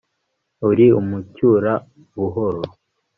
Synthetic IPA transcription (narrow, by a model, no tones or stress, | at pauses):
uɾiumucuːɾa | βuɦoɾo